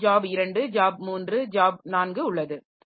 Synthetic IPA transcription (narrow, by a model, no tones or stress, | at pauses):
d͡ʒaːbɪɾɐɳɖɯd͡ʒaːb̚muːndrɯd͡ʒaːb̚naːnɡɯʊɭːɐðɯ